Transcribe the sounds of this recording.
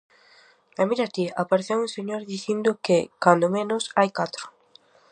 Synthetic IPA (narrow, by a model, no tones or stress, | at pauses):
amiɾat̪iapaɾeθjeũŋseɲoɾðiθind̪ʊkɪkand̪omẽnʊsajkat̪ɾʊ̥